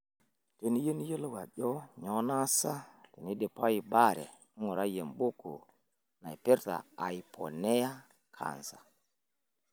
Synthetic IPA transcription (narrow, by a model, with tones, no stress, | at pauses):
te˨n˦jə˦n˦jə˦lwa̰˨ɗo˦ɲɔ˨˦na˦sa˦ti˨ni˦de˨pa˦ji˨ba˦˨ɾḛ˨˦ | ŋo˨ɾa˦je˨mbo˦ko̰˨ | na˨jpe˦ɾta̰˨a˨jpʰo̰˨ne˦ja˦ | kʰa̰˨n˨sḁ˨